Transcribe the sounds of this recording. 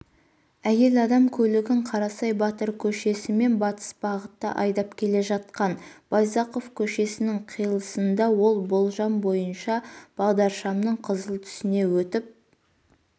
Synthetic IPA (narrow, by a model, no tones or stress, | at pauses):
æje̞lɑd̪ɑmkʲʰɵlɪɡʲɪɴqʰɑɾɑsɑjbɑt̪əɾkʲʰɵʃe̞sɪme̞nbɑt̪ə̥sbɑʁət̪ːə̰ʔɑjd̪ɑpkʲʰe̞le̞ʒɑt̪̚qɑnb̥ɑjzɑqo̞fkʲʰɵʃe̞sɪnɪŋqʰijəlˠəsənd̪ɑwo̞lˠbolˠʒɑmbo̞jənʃɑb̥ɑʁd̪ɑɾʃɑmnəɴqʰəzəlˠt̪ʰʏ̥sɪne̞wɵt̪ɪp̚